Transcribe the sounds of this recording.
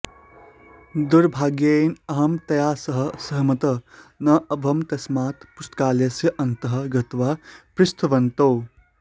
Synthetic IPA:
d̪uɾbʱaːɡjenɐɦɐmt̪ɐjaːsɐɦɐsɐɦmɐt̪ɐnɐɐbʱɐmt̪ɐsmaːt̪pust̪kaːljɐsjɐʔɐnt̪ɐɦɐ̆ɡɐt̪ʋapɾust̪ʰɐʋɐnt̪oː

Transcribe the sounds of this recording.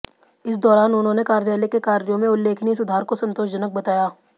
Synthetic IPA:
ɪsd̪ɔːɾaːnʊnɦõnekaːɾjaːlekekaːɾjõmẽʊlːeːkʰnis̬ʊd̪ʱaːɾkosɐ̃nt̪oːʃd͡ʒɐnək̚bɐt̪aːjaː

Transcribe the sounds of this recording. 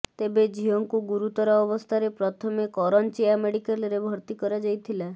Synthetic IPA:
t̪ebed͡ʒiɔŋkuɡuɾut̪ɔɾɔːbɔst̪ʰaɾepɾɔt̪ʰɔmekɔɾɔnt͡ʃeameɽikalɾebʱɔɾt̪ikɔɾad͡ʒajt̪ʰila

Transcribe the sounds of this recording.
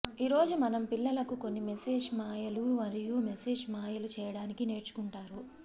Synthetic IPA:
iːɾo̞ːd͡ʒumɐnɐmpilːɐlɐkuko̞nːimese̞ːd͡ʒmaːjɐlumɐɾijumese̞ːd͡ʒmaːjɐlut͡ʃɛːjɐɽaːnikine̞ːɾt͡ʃu̥kuɳʈaːɾu

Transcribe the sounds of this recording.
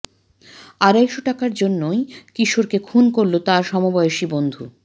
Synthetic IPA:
aɾɛkʃoʈakaɾd͡ʑonːojkiʃoɾkekʰunkoɾlot̪aɾʃɔmobɔeoʃibond̪ʱu

